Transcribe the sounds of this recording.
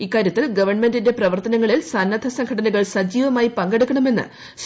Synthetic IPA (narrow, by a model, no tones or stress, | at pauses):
ikːaːɾjɐt̪ːilɡɐʋɐrɳme̞ndinde̞prɐʋɐrt̪ɐnɐŋːɐɭilsɐnːɐd̪ʱʰɐsɐŋɡʰɐɽɐnuɣɐɭsɐd͡ʑiːʋɐmaːjipɐŋɡe̞ɽukʲːɐɳɐme̞nːɨ̰ | s